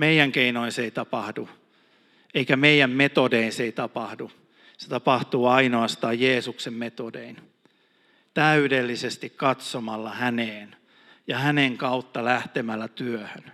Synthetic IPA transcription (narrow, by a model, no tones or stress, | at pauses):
meijæŋkeinoinseit̪ɑpɑhdu | eikæmeijæmmet̪odeinseit̪ɑpɑhdu | se̥t̪ɑpɑht̪uːɑinoɑst̪ɑːjjeːsuksemmet̪odḛin | t̪æydelːisest̪ikkɑt̪somɑlːɑhæneːn | jɑhæneŋkɑut̪ːɑlæht̪emælːæt̪yøhøn